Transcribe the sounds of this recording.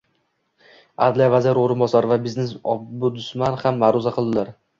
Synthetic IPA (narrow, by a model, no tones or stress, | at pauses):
ad̪lijvazɪɾoɾɪnbɒsaɾvabɪznesɒbʊd̪ʊsmanhamːaɾʊzaqʰɨlˠd̪ɪlaɾ